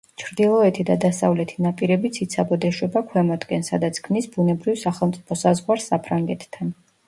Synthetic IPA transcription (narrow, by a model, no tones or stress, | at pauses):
t͡ʃʰɾd̪ilˠɔɛt̪ʰid̪ad̪asavlɛt̪ʰinapʼiɾɛbit̪sʰit̪sʰabɔd̪ɛʃwɛbakʰwɛmɔd̪ɡɛnsad̪at̪sʰkʰmnisbunɛbɾivsaχɛlˠmt̪sʼipʰɔsazʁwaɾsapʰɾaŋɡɛt̪ʰt̪ʰːan